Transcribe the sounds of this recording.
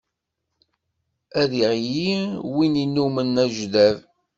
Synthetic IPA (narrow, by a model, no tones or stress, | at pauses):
æðiʁjiwininːumənːæʒðæv